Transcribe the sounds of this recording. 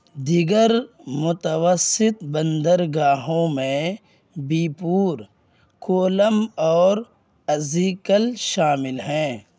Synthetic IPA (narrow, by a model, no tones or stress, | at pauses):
d̪ɪɡəɾmʊt̪əwəsɪt̪bə̃nd̪əɾɡaːɦõmẽ | biːpuːɾ | koːləmɔːɾ | ɐziːkəlʃaːmɪlɦɛ̃ː